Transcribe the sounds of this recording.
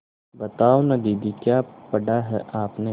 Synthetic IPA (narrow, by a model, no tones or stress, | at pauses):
bɐt̪aːonɐd̪iːd̪ikjaːpɐɽaɦɛ̰ʔaːpne